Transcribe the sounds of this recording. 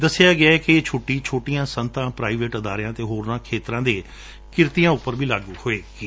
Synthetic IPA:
d̪əsːɪjaːɡɪaːɛːkɪːt͡ʃʰoːʈiːt͡ʃʰoːʈijãːsənt̪ãːpɾaːiːʋeːʈəd̪aːɾjãːt̪eːɦoːɾnãːkʰeːt̪ɾãːd̪eː | kɪɾt̪ijãːʊpːəɾbiːlaːɡuhoːeːkiː

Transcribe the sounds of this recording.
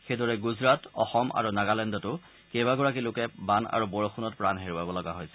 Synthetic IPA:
xejdɔɹɛɡuzɹatɔ̰xɔmʔa̰ɹunaɡalɛndɔtʊ | kebaɡɔɹak̬ilʊkɛbana̰ɹubɔɹɔxunɔt̚pɹanɦeɹuabɔlɔɡaɦojsɛ̥

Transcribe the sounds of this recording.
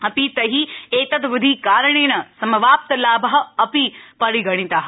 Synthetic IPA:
ɐpit̪ɐɦieːt̪ɐt̪ʋʊd̪ʱikaːɾɐɳ̃eːnɐsɐmɐʋaːp̚t̪ɐlaːbɐɦɐ̆ɐpipɐɾiɡɐɽ̃ĩt̪aːɦɐ̆

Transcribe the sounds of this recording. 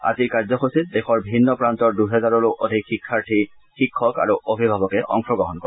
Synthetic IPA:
a̰ziɹkaɹzɔxosit̚dɛxɔɹbʱinːɔpɹant̪ɔɹduɦɛzaɹɔɹoʔod̪ʱikxikʰːaɹtʰi | xikʰːɔka̰ɹuʔobʱibʱabɔkɛʔɔ̰ŋkɹɔɡɔɦɔnkɔɛ

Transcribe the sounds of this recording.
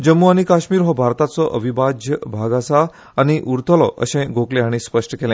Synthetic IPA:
d͡ʑəmːuañikaɕmiːɾɦɔbʱaɾt̪at͡sɔʔə̰ʋibad͡ʑʱjəbʱaɡasaː | ñiʔuɾt̪ʰəlɔʔə̰ɕẽɡʱoklẽaɽ̃ispəʂʈəkelẽ

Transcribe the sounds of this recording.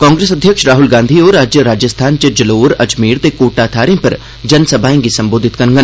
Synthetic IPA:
kãːŋɡɾeːsɐd̪ʱjəkʃɾaːɦʊlɡãːnd̪ʱioːɾaːd͡ʒjəɾaːd͡ʒəst̪ʰaːnt͡ʃəd͡ʒəloːɾɐd͡ʒmiːɾt̪ekoːʈaːt̪ʰaːɾẽpɐɾ | d͡ʒɐnsɐbʱaːẽŋɡisɐ̃mboːd̪ʱɪt̪kɐɾŋɡən

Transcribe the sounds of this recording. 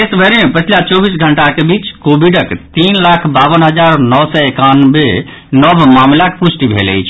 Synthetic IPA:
esbʱəɾeepət͡ʃʰilat͡ʃɔbisɡʱəɳʈakebit͡ʃkobiɖəkt̪inlakʰbabənɦəd͡ʒaɾnɔwsɛekanbe | nəbʱmamlakpusʈibʱḛlɛ̰jt͡ʃʰ

